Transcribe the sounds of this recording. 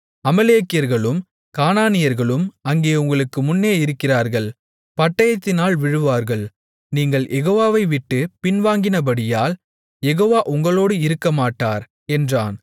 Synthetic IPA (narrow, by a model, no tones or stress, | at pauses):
ɐmɐleːkɪjɐɾɣɐɭɯm | kaːnaːnɪjɐɾɣɐɭɯmɐŋɡeːʊŋɡɐɭɯkːɯmʊnːeːɪɾɯkːɪraːɾɣɐɭ | pɐʈːɐjɐt̪ːɪnaːlʋɪɻɯʋaːɾɣɐɭ | niːŋɡɐɭjʔɛɣoːʋaːʋɐɪʋɪʈːɯpɪnʋaːŋɡɪnɐbɐɽɪjaːl | jɛɣoːʋaːʔʊŋɡɐɭoːɽɯɪɾɯkːɐmaːʈːaːɾ | ɛndraːn